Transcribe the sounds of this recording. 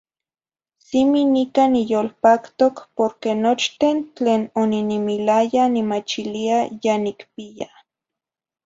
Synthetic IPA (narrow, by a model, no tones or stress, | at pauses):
siminikanijolpakt̪okpoɾkenot͡ʃt̪ent͡ɬeːnoninimilajanimat͡ʃiliajanikpija